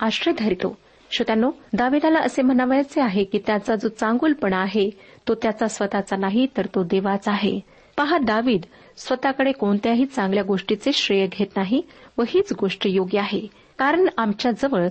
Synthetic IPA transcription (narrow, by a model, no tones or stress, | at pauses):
aɕɾed̪ʱəɾit̪o̰ | ɕət̪janːod̪aʋiːd̪alaʔəsem̤ənaʋjat͡seaɦekiːt̪jat͡sad͡zot͡sãŋɡuːlpəɳaɦet̪ot̪jat͡sasʋət̪at͡sanaɦit̪əɾt̪od̪eʋat͡saɦḛ | paɦad̪aʋiːd̪ | sʋət̪akəɽekoɳt̪jaɦiːt͡sãŋɡljaɡoʂʈit͡seɕɾejəɡʱet̪naɦiʋəɦiːt͡sɡoʂʈəjoɡjəaɦe | kaɾəɳamt͡ɕjad͡zəʋəɭ